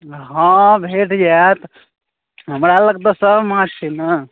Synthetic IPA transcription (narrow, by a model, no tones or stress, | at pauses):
ɦãbʱeʈd͡ʒat̪ | ɦəmɾaləɡd̪əsəbmãɾt͡ʃʰinə